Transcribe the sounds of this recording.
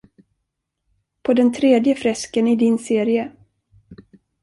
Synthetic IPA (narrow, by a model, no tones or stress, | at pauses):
pʰɔd̪ɛnt̪ʰɾeːd̪jəfɾɛskənɪd̪ɪnseːɾɪə